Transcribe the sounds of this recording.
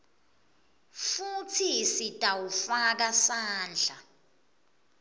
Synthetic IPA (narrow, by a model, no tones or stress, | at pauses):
futʰisitʼawufak̬asaːnd͡ɮʱa